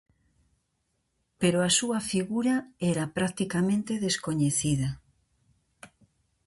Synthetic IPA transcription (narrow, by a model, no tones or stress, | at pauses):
peɾoasuɐfiɣuɾɐɛɾapɾakt̪ikamẽnt̪eðeskoɲeθiðɐ